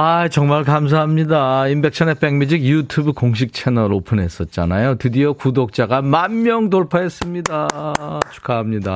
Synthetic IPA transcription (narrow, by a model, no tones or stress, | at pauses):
ajt͡ɕʌŋmaɭkams̬ʰaɦamɲidaimbe̞k̚ɕʰʌnep͈eŋmid͡ʑiɡjutʰubukoŋɕ̬ʰik̚t͡ɕʰenʌɾopʰɯnɦe̞s͈ʌt̚t͡ɕ͈a̰najotɯdiokudok̚t͡ɕ͈aɡamanːjʌŋdoɭpʰaes͈ɯmɲidat͡ɕʰu̥kʰaɦamɲida̰